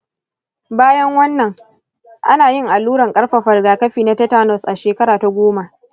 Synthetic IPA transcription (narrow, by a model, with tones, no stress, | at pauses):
baː˦jɐ˦ŋwɐ˦nːɐ˨ŋ | ʔa˦naː˨jɪ˦˨ŋʔa˨luː˦ɽɐ˨ŋkʼɐ˦ɽɸa˨ɸɐ˨rɡaː˨kɐ˦ɸiː˨na˦tɐ˦taː˦nɔ˨sʔa˨ʃeː˨kɐ˦ɾaː˨ta˦ɡʷoː˦ma˨ʔ